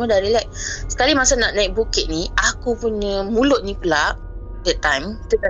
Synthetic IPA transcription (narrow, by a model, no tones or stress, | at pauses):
mə̃daɾilaʔ̚sə̥kalimasanaʔnãɪk̚bukɪt̪̚niakupuɲəmulʊʔ̪̚nĩpulaʔ | dɛt̪ːãjmt̪uka